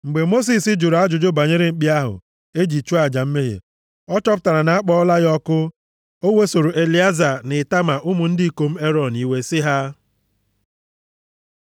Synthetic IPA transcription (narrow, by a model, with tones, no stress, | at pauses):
ŋ͡m̩˨ɡ͡be˨mo˦s̬i˨sɪ˦d͡ʒʊ˨ɾa˦d͡ʒʊ˨d͡ʒʊ˦ba˨ɲe˦ɾe˦ŋ͡m̩˨k͡pi˦a˦ɦʊ̰˨ | e˦d͡ʒi˨t͡ʃu˦a˦˨d͡ʒa˨m̩˦me˦ɦḛ˨ | ɔ˦t͡ʃɔ˦p̬ʊ̥˦ta˨ɾa˨na˨˦a˦k͡pɔ˦ɔ˦la˦ɣɔ˦kʊ˦ | o˦we˦so˨ɾo˨ʔe˨li˦a˦za˨nɪ˨ta˦ma˨ʔʊ˦mʊ˨n̩˦dɪ˦ko˨m̩˦e˦ɾɔ˨ni˦we˦sɪ˦ɦa˦